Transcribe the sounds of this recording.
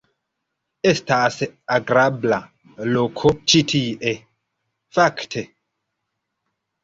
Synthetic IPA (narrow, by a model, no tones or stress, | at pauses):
estasaɡɾabla | lokʰot͡ʃitʰiʔe | faktʰe